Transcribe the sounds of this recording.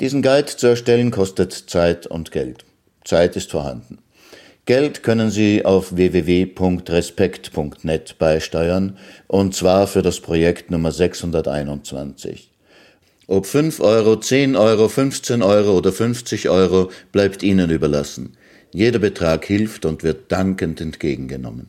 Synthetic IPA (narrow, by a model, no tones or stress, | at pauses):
d̥iːzn̩ɡɛltt͡suɛɐʃtɛlənkʰɔstətt͡saɪtʊ̰ntɡ̥ɛ̰lt | t͡saɪtɪstfoːɐha̰ndn̩ | ɡ̥ɛltkʰœnənziːa̰ʊfveːveːveːpʰʊŋktʁɛspɛktpʰʊŋktnɛtb̥aɪʃtɔʏɐnʔʊnt̚t͡sv̥aːɐfyːɐdaspʁ̥ojɛktnʊmɐzɛkshʊndɐtʔa̰ɪnʊnt͡sv̥a̰nt͡sɪ̰ç | ʔopfʏnfʔɔʏʁ̞ot͡seːnʔɔʏʁ̞ofʏnft͡seːnʔɔʏʁooːdɐfʏnft͡sɪçʔɔʏʁob̥laɪptʔiːnənyːbɐlasn̩ | jeːdɐbətʁ̥aːkhɪlftʊntv̥ɪɐt̚d̥aŋkəntɛntɡ̥eːɡŋ̩ɡənɔ̰mən